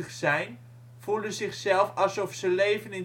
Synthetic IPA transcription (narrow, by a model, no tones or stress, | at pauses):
əχsɛjn | v̥ulənzɪχsɛlˠfɑlˠsɔfsəlejvənɪn